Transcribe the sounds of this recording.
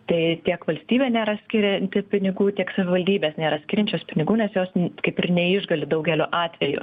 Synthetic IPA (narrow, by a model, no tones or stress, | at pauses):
t̪ɐɪt̪ʲiɛkʋɐlʲsʲt̪ʲiːbʲeːnʲeːɾɐsʲkʲɪɾʲɛnʲt̪ʲɪpʲɪnʲɪɡuːt̪ʲiɛksɐʋʲɪʋɐlʲd̪ʲiːbʲeːsnʲeːɾɐsʲkʲɪːɾʲɛnʲt͡ʃʲoːspʲɪnʲɪɡuːnʲɛsjoːskɐɪpɪrnʲɛɪʒɡɐlʲɪd̪ɐʊɡʲɛlʲoːʔɑːt̪ʲʋʲɛjʊ̰